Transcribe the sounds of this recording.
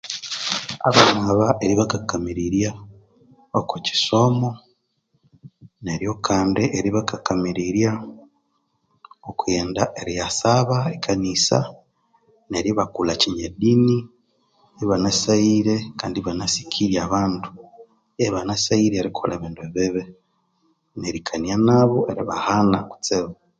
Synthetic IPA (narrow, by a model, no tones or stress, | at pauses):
a̰βanaβaʔe̞ɾiβakakːamiɾiɾja | okuci̥so̞mo̞ | ne̞ɾjo̞kʰaːndeʔeɾiβakakamiɾiɾja | okue̞ːndaʔe̞ɾijasaβaekʰanisa̰ | ne̞ɾiβakulaciɲedini | iβanasaiɾekaːndiβanasi̥kʰiɾjaβaːntu̥ | eβanasaiɾeɾikʰo̰leβiːndueβiβe | neɾikʰanjanaβoeɾiβahanaku̥t͡seβa